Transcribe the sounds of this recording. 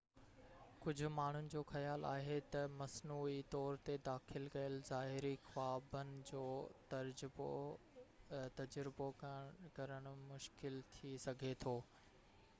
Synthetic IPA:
kʊd͡ʑʱʊ̆maːɳ̤ʊnɪ̆d͡ʑoːxɐjaːla̰ːɦet̪ɐmɐsnuːit̪ɔːɾt̪ed̪aːxɪlkɐjəlzaːɦɪɾixwaːbənɪ̆d͡ʑoːt̪ɐɾd͡ʑb | t̪ɐd͡ʑɾɪbokɐɾəɽ̃ʊmʊʃkɪlt̪ʰisɐɡʱet̪ʰoː

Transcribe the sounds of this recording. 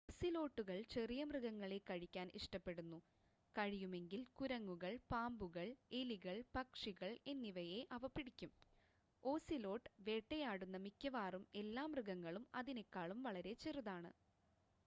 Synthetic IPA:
oːsilo̞ːʈːuɣɐɭt͡ɕe̞rijɐmrɨɣɐŋːɐɭe̞kːɐɻikʲːaːnʔḭʂʈɐpːeɽunːu | kɐɻijume̞ŋɡilkuɾɐŋːuɣɐɭpaːmbuɣɐɭe̞liɣɐɭpɐkʂiɣɐɭe̞nːiʋɐje̞ʔɐʋɐpːiɽikʲːum | o̞ːsilo̞ːʈːʋe̞ːʈːejaːɽunːɐmikʲːɐʋaːrume̞lːaːmrɨɣɐŋːɐɭumɐðinekːaːɭumʋɐɭɐɾe̞t͡ɕeruðaːɳɨ̰

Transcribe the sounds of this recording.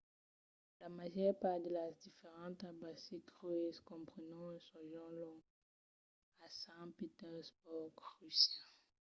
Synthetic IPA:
lamaʒœʁpad̪əlad̪ifeʁɑ̃t̪abasikʁyeskɔ̃pχənɑ̃sɔ̃ʒɑ̃lɔ̃ | asɛ̃pit̪ɛʁsbɔɡʁysjɛ̃

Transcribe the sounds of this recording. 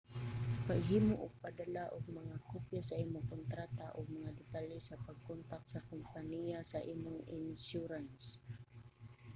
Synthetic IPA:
paɡɦiːmʊʔʊɡ̚pad̪alaʔʊɡ̚maŋakupjasaʔimʊŋkʊnt̪ɾat̪aʔʊɡ̚maŋad̪ɪt̪alɪsapaɡ̚kɔnt̪ak̚sakʊmpanijasaʔiːmʊŋɪnsuɾans

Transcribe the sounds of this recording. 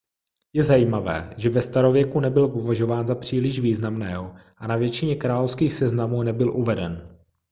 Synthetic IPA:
jɛzajiːmavɛ̰ːʒɛvɛst̪aɾo̞vjɛkunɛbɪlpo̞vaʒo̞vaːnzapr̥iːlɪʒviːznamnɛːɦoʔanavjɛt͡ʃɪɲɛkɾaːlofskiːxsɛznamuːnɛbɪlʔuvɛdɛn

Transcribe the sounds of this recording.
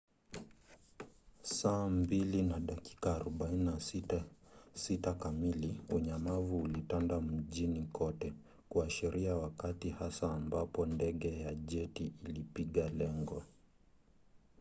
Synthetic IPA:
saːmbilinaɗaki̥kaːɾɔɓaininasiasitakamiliuɲamavuːlitandam̩ʄinikʰɔtɛ | kuaʃɛɾʔiawakatihasaːmbapɔndɛɠɛjaʄɛtiːlipiɠalɛŋɡɔ

